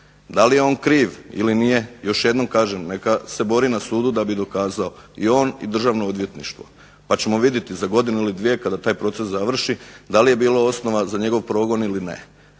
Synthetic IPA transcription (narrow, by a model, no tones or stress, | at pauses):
d̪alije̞o̞ːnkɾiːʋḭlinije̞jo̞ʃje̞d̪no̞mkaːʒemnekase̞bo̞ɾinasuːd̪ud̪abid̪o̞kaːzaoio̞ːnḭd̪r̩ʒaːʋnood̪ʋje̞t̪nḭʃt̪ʋo̞̰ | pat͡ɕe̞mo̞ʋid̪je̞t̪izaɡo̞d̪inuilid̪ʋije̞kad̪at̪aːjpɾo̞t̪se̞szaʋr̩ʃid̪alije̞biːlao̞sno̞ʋazaɲe̞ɡo̞ʋpɾo̞ːɡo̞nilinḛ